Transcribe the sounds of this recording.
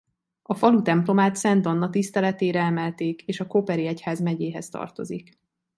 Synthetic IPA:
ɒfɒlut̪ɛmplo̞maːt̪sɛnd̪o̞nːɒt̪ist̪ɛlɛt̪eːɾɛɛmɛlt̪eːkeːʃɒkopɛɾiɛchaːzmɛɟeːɦɛ̰st̪ɒ̰rt̪o̞̰zik

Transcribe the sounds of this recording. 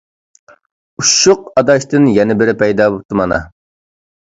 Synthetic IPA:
uʃːʊqɑd̪ɑʃt̪ɨnjɛnɪbɪɾɪpʰɛjd̪ɑːbop̚t̪ʰɨmɑnɑ̰

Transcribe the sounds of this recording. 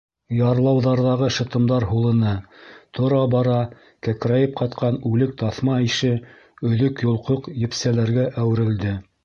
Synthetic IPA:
jɑɾlˠɑwðɑɾðɑʁɤʃɤ̆t̪ɤ̆md̪ɑɾɦulˠɤ̆nɤt̪ʰŏɾɑbɑɾɑ | kækɾæjɘp̚qɑt̪qɑnʉlɘk̚t̪ɑθmɑiʃɘ | ɵ̆ðɵkjŏlˠqoqjɘ̆psælæɾɡæʔæwɘ̆ɾɘ̆ld̪ɘ

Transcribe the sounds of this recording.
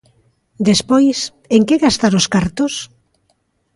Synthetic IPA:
d̪espojs | eŋkeɣast̪aɾoskaɾt̪ʊs

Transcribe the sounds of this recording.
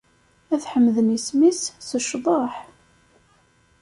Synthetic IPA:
æθħəmːðənismisːəʃðˤɑħ

